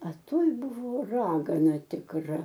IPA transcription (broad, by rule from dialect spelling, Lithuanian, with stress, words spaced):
ɐ ˈtoːj ˈbʊʋoː ˈrɑːɡɐnɐ tʲɪkˈrɐ